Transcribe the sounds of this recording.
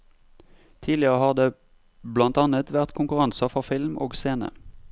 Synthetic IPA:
t̪ʰiːlɪəʁəhɑːʁd̪eː | blɑnt̪ɑːnət̪ʋæʁt̪kʰʊŋkʉʁɑnsɑfɔʁfɪlmʔoːɡseːnə̰

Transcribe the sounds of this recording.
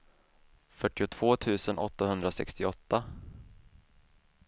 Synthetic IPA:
fœʈːɪʊt̪ʰv̥oːt̪ʰʉ̟ːsənʔɔ̰t̪ːahɵnd̪ɾasɛ̰kst̪ɪɔt̪ːa

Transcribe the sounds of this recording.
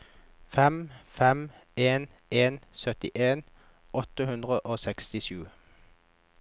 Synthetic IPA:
fɛmfɛmeːn | eːnsœt̪ɪʔeːn | ʔɔt̪əhʉnd̪ʁəʔoːsɛkst̪ɪʃʉː

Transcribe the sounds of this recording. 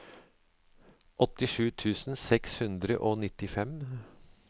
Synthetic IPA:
ʔɔt̪ɪʂʉːt̪ʰʉːsn̩sɛkshʉnd̪ɾə̰ʔoːnɪt̪ɪfɛm

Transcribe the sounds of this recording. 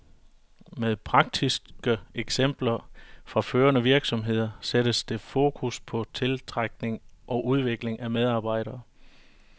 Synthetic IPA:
með̞ˠpʰʁɑ̈ɡ̥̚d̥isɡ̥əeɡ̥sem̰b̥lɐfʁɑ̈føːɐnəʋiɐɡ̥sɒ̽mɦe̝ð̞̰ˠɐsedəsd̥e̝fo̝ːkʰuspʰɒ̽t͡sʰe̝lt͡sʰʁɑɡ̥ne̝ŋʔɒ̽ʔuð̞ˠʋe̝ɡ̥le̝ŋʔæmeð̞ˠɑ̈ːb̥ɑ̈ɪ̰ɾ̥ɐː

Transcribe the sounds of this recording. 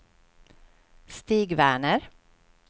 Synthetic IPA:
st̪iːɡʋæːɳəɾ

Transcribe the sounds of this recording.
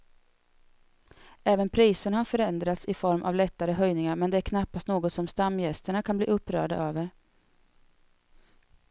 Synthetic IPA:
ɛːvənpʰɾiːsənhaɾfœɾɛnd̪ɾat̪sɪfɔɾmʔa̰vlɛt̪ːaɾəɦœjnɪŋaɾmɛnd̪ɛæɾkʰnapːast̪noːɡɔt̪sɔmst̪amːjɛst̪əɳakʰanblḭːɵpːɾœ̰ːɖa̰ʔøːvəɾ

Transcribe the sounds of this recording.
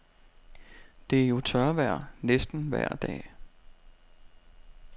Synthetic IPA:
d̥e̝æɐjo̝t͡sʰɶɐʋæɐ̰nesd̥n̩ʋæɐ̰d̥ɛ̰ː

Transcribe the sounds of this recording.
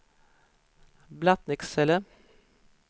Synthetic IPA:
blɑt̪nɪksɛlə

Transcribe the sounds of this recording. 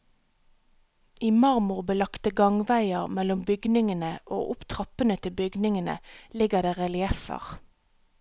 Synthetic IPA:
iːmɑʁmʊʁbəlɑkt̪əɡɑŋʋæɪəʁmɛlʊmbʏɡnɪŋənəʔoːʔʊpt̪ʰʁɑpənət̪ʰɪbʏɡnɪŋənə̰lɪɡəʁd̪eːʁɛlɪɛfə̰ʁ

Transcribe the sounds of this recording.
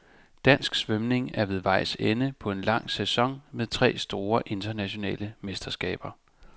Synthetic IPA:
d̥æn̰sɡ̥sʋœmne̝ŋæɐʋe̝ð̞ˠʋɑ̈ɪ̰senəpʰɒ̽e̝nlɑ̈ŋ̰sæsɒ̽ŋ̰meðˠt͡sʰʁɛ̰ːsd̥o̝ːɐʔe̝nd̥ɐnæɕo̝nɛ̰ːləmesd̥ɐsɡ̥ɛ̰ːb̥ɐ

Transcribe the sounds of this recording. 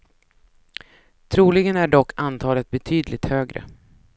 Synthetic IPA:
t̪ʰɾuːlɪɡənæɖɔkːant̪ʰɑːlət̪̚bɛt̪ʰyːd̪lɪt̪høːɡɾə̰

